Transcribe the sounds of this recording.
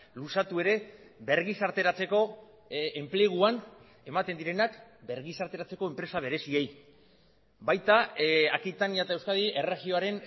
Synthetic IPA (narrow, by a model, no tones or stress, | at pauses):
lusat̪ue̞ɾe̞βe̞ɾɣisaɾt̪e̞ɾat͡se̞ko̞ | emple̞ɣ̞uan | e̞mat̪e̞nd̪iɾe̞nakbe̞ɾɣisaɾt̪e̞ɾat͡se̞ko̞e̞mpɾe̞saβ̞e̞ɾe̞sie̞j | bajt̪aakit̪aniaet̪ae̞wskaðiʔe̞re̞ɣio̞aɾe̞n